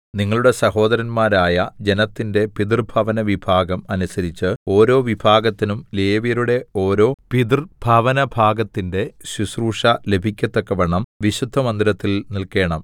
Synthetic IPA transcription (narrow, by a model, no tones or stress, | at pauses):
niŋːɐɭuɽe̞sɐho̞ːd̪ɐɾɐnmaːɾaːjɐd͡ʑe̞nɐt̪ːinde̞pid̪irbʱɐʋɐnɐʋibʱaːɡɐmɐnusɐɾit͡ɕːɨo̞ːɾo̞ːʋibʱaːɡɐt̪ːinumleːʋijɐɾuɽe̞o̞ːɾo̞ːpid̪irb̥ʱɐʋɐnɐbʱaːɡɐt̪ːinde̞ɕusruːʂɐle̞bʱikʲːɐt̪ːekːɐʋɐɳɐmʋiɕud̪ʱːɐmɐnd̪iɾɐt̪ːilnilke̞ːɳɐm